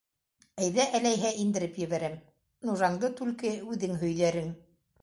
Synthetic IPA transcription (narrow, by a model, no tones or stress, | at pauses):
æjðæʔælæjɦæʔind̪ɘ̆ɾɘpjɘ̆βæɾæm | nuʒɑŋd̪ɤt̪ʉlkɘʉðɘŋɦɵ̆jðæɾɘŋ